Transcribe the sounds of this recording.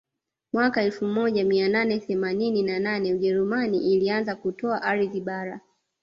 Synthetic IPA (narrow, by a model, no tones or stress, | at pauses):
mwakaɛlfumɔʄamiananɛθɛmanininananɛuʄɛɾumaniʔːlianzakutɔaʔaɾiðiɓaɾa